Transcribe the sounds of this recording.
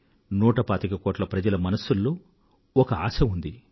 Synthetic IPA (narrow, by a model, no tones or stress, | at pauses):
nuːʈɐpaːt̪ikɐkoːʈlɐpɾɐd͡ʒɐlɐmɐnɐsːulːoː | ɔkɐa̰ːʃɐund̪i